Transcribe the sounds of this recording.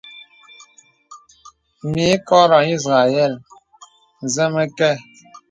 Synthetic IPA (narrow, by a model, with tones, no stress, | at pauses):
mi˨˦kɔ˦ɾɔ˨i˦zɣa˨jɛ˦˨l | zɛ˦mɛ˦kɛ˦˨